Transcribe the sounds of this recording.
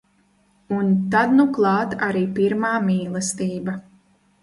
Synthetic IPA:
unt̪ad̪nuklˠɑːt̪aɾiːpiɾmaːmiːlˠɛst̪iːba

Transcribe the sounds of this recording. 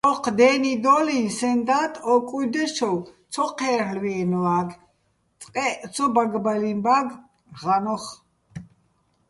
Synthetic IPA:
ɔqʰd̪ɛːnid̪ɔlinsɛnd̪at̪ʼɔkʼujd̪ɛʃʰɔw | t͡sʰɔqʰɛːɾlwiːnaɡ | t͡sʼqʼɛʔt͡sʰɔbaɡbalimbaɡ | ʁanɔχ

